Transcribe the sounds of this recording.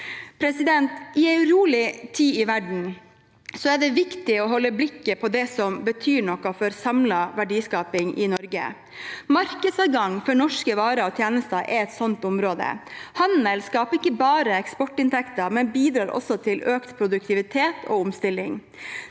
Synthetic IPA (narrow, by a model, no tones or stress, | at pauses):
pʰɾɛsɪd̪ɛnt̪ɪæɪɾuːlɪt̪ʰiːɪʋæɖɳ̩ | sɔɛɖɛʋɪkt̪ɪɔɦɔlːəblɪkːəpʰɔd̪ɛsɔmbət̪ʰyːɳɔkːɑfɔɾsɑmlɑʋæɖiːskɑːpɪŋʔɪnɔɾɡə̰ | mɑɾkəd̪sɑːʋɡɑŋfɔɳɔʂkəʋɑːɾəɔt̪ʰjeːnəst̪əʔɛɾɛt̪sɔnt̪ʊmɾoːd̪ə̰hɑnəlskɑːpəɪkːəbɑːɾəɛkspɔʈːɪnt̪ʰɛkt̪əmɛnbiːd̪ɾɑːɾɔ̰sɔt̪ʰɪløːkt̪pʰɾʊd̪ʉk̚t̪ɪʋɪt̪ʰeːt̪ʰɔ̰ʊmst̪ɪlːɪŋ